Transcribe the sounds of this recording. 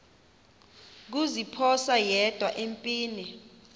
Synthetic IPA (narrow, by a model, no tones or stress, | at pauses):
k̬uzipʰɔsajɛd̥ʱwaʔempʼiːni